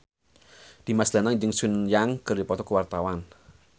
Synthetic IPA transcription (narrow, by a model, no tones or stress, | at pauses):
d̪̥i̤masd̪̥a̤naŋd͡ʒəŋsunjaŋkərdipɔt̪ɔkəwart̪awan